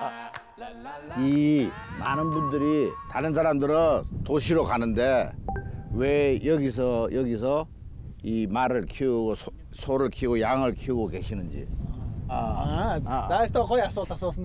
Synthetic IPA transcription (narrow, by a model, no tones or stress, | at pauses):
i | ma̰nɯnbundɯɾitaɾɯns̬ʰaɾamdɯɾɯntoɕʰiɾokanɯnde̞ | wejʌɡis̬ʰʌjʌɡisʰʌ | imaɾɯɭkʰiɡosʰ | sʰoɾɯɭkʰiɡojaŋɯɭkʰiuɡoke̞ɕʰinɯnd͡ʑḭ | nastʌkʌjas͈ʌtʰasʌs